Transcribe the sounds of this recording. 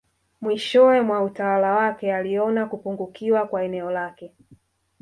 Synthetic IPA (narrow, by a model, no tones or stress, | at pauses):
mwiʃɔɛmwautawalawakɛaliɔnakupuŋɡukiwakwaɛnɛɔlakɛ